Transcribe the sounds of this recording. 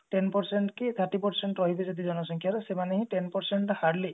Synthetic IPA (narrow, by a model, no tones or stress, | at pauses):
ʈenpɔɾseɳʈkit̪ʰaɾʈːipɔɾseɳʈɾɔɦibezɔd̪id͡ʒɔnɔsɔŋkʰjaɾɔsemaneɦĩʈenpɔɾseɳʈhaɾli